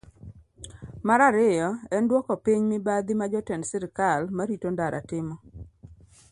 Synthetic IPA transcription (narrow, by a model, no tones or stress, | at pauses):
maɾaɾɪjɔɛndwɔkɔpiɲmɪbad̪imad͡ʒɔtɛnsɪɾkalmaɾitondaɾʔa̰tɪmɔ